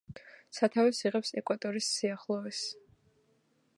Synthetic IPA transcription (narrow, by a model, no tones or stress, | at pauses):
sat̪ʰavɛsiʁɛpsɛkʼwat̪ʼɔɾisːiaχlˠɔɛs